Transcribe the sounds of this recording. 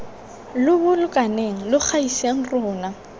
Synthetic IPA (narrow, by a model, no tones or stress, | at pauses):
lʊbʊlʊkʼaneŋ̩lʊk͡xʰaiseŋ̩rʊːna